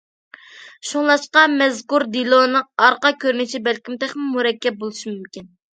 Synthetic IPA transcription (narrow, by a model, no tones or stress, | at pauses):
ʃuŋlˠɑʃqɑmɛzkuɾd̪ilˠonɨɑɾqɑkʲʰøɾnɪt͡ʃʰibælkʲimt̪ʰæχmɪlmuɾɛkʲːɛp̚bolˠuʃimymkʲin